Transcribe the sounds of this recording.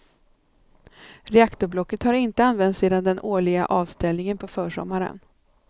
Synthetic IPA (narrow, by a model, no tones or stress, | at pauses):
ɾɛakt̪ʊɾblɔkːət̪haɾɪnt̪əanvɛnt̪seːd̪and̪ɛnʔoːɭɪɡa̰ʔɑːvst̪ɛlnɪŋənpʰɔfœːʂɔ̰mːaɾə̰n